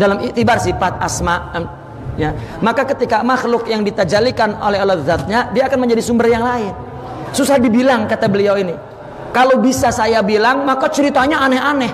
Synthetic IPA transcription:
dalamiʔt̪ibarsifat̪̚asmaʔ | ja | makakət̪ikamaxlʊkjaŋdit̪ad͡ʒalikanolɛɦolaðat̪̚ɲadiaːkanməɲd͡ʒadisumbərjaŋlaɪn | susahdibilaŋkat̪abəliawini | kalowbisasajabilaŋmakat͡ʃəɾit̪aɲaːnɛɦanɛh

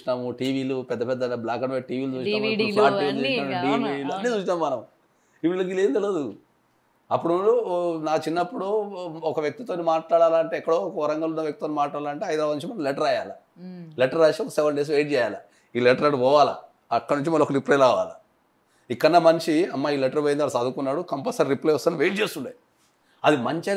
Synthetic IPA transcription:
unaːmuʈiːʋiːlupɛd̪ːɐpɛd̪ːɐblaːkɐʈʋeʈiːʋiːlud͡ʒuːʃiamɐaːʈːiuːʃnaːnɖiːʋiluɐnːit͡ʃuːʃinaːmːmɐnɐm | iʋilɐɡileːnd̪elɐd̪u | ɐpːuɽunaːt͡ʃinːɐpːuɽoɔkɐʋjek̚t̪it̪oːnimaːʈlaːɽaːlaɐɳʈe̞ːɛkːɐɽoːkɐɐɾɐŋɡɐlunːɐʋjɐk̚t̪it̪oːnimaːʈlaːɽaːlɐɳʈeːɐjd̪oːʋɐnt͡ʃimɐnɐmlɛʈɐɾaːjaːla | lɛʈːɐɾaːʃiɔkɐsɛʋɐɳɖes̬ʋeːʈ̚d͡ʒɛːjaːla | iːlɛʈɐɾɐʈuʋɔːʋaːlɐ̰ | ɐkːɐnuɲt͡ʃimɐlɔkɐɾiplejlaːʋa̰ːlɐ | ikːɐnːɐmɐnt͡ʃiɐmːaːiːlɛʈɐɾʋoːjind̪ɐlɐsaːd̪ukunːaːɽukɐmpɐsɐɾɾiplejɔst̪aːniʋeːʈ̚d͡ʒeːst̪uɳɖeː | ɐd̪imɐɲt͡ʃɐ

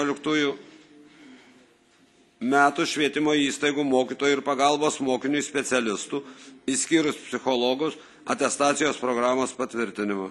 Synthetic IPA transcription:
ɔlʲɪkt̪uːjʊ | mʲæːt̪uʃʲʋʲiɛt̪ʲɪmoːiːst̪ɐɪɡuːmoːkʲiːt̪oːjuɪɾpɐɡɐlˠboːsmoːkʲɪnʲujsʲpʲɛt̪sʲɛlʲɪst̪uːisʲkʲiːɾʊspʲsʲɪxɔlˠɔɡʊs | ɐ̰t̪ʲɛst̪ɑːt̪sʲɪjoːspɾoːɡɾɑːmoːspɐt̪ʲʋʲɪɾʲt̪ʲɪnʲɪmɐ

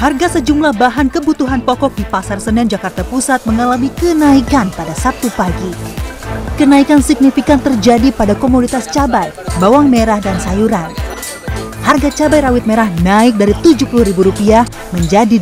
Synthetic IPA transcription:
harɡasəd͡ʒumlahbaɦankəbut̪uɦanpɔkɔk̚dipasarsənɛnd͡ʒakart̪apusat̪̚məŋalamikənaikanpadasap̚t̪upaɡi | kənaikansik̚nifikant̪ərd͡ʒadipadakomodit̪ast͡ʃabajbawaŋmeɾahdansajuɾan | harɡat͡ʃabajɾawɪt̪̚meɾahnaɪk̚daɾit̪ud͡ʒuhpuluhɾibuɾupiah | məɲd͡ʒadi

